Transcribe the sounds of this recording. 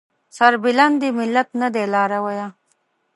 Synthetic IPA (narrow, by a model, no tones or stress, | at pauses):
sɐɾbɪland̪imɪlːat̪nad̪elɑːɾawaja